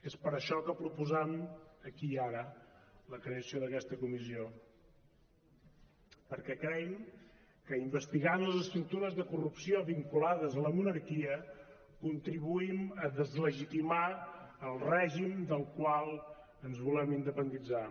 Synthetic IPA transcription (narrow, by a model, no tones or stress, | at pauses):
espəɾəʃɔkəpɾupuzɛməkiaɾələkɾeəsioðəkɛst̪əkumisio | pəɾkɛkɾɛm | kəimbəst̪iɣanləzəst̪ɾuk̚t̪uɾəzðəkurupsioβiŋkulaðəzələmunəɾkiə | kunt̪ɾiβuiməðəzləʒit̪imaːlˠrɛʒimd̪əlˠkwalˠ | ənzβulɛmind̪əpənd̪id͡za